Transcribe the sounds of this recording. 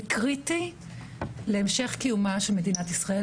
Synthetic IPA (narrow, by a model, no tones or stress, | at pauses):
kʁiti | leːmʃe̞χkijumaʃelmedinat̪isʁae